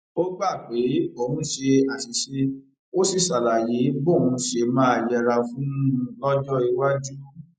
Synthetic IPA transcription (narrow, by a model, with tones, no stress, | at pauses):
o˦ɡ͡ba˦˨k͡pe˨˦o˧˨hũ˨˦ʃe˧a˨si˨ʃe˧ | o˦si˦˨sa˨la˨je˨˦bo˦˨hũ˧ʃe˧mãː˨˦a˨jɛ˧ɾa˧fũ˦ũ˦ũ˧lɔ˦d͡ʒɔ˦i˧wa˦d͡ʒu˦